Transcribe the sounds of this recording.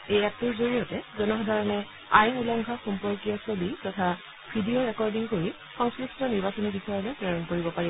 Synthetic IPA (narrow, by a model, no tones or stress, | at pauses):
ejatːʊɹzoɹiɔtɛzɔnɔɦɔdʱaɹɔnɛ | a̰jnulɔŋɡʱaxɔmpɔɹkijɔsobitɔtʰa | bʱidioɹɛkɔɹdiŋkoɹi | xɔŋskɹistɔniɹbasɔnibixɔjalɛpɹɛɹɔnkoɹibɔpaɹib